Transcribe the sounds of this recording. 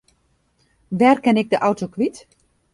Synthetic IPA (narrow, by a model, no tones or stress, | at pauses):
ʋɛrkɛnɪk̚dəʔawtokʋit